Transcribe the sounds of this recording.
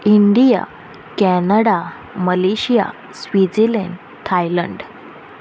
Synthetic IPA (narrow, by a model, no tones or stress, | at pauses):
iɳɖija̰ | kɛnəɽa | məleɕija̰ | sʋid͡zelɛɳ | t̪ʰajlə̰ɳɖ